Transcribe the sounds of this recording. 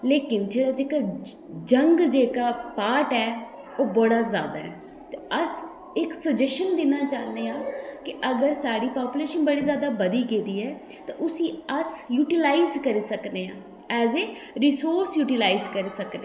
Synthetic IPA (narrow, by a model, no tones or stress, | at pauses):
leːkɪnd͡ʒeːɽaːd͡ʒeːkaː | d͡ʒəŋɡd͡ʒeːkaːpaːʈɛː | oːbɔɽaːza̰ːd̪a̰ːɛ̰ː | t̪eəs | ɪksəd͡ʒɛʃənd̪ɪnãːt͡ʃaːnd̪eːãːkɪʔəɡəɾsaːɽiːpaːpuleːʃənbəɽiːzjaːd̪aːbəd̪iːɡeːd̪iːɛː | t̪ãːʔʊsĩːəsjuːʈɪlaːizkəɾiːsəkd̪eːã̰ː | ɛːzeː | ɾisoːɾsjuːʈilaːɪzkəɾisəkd̪e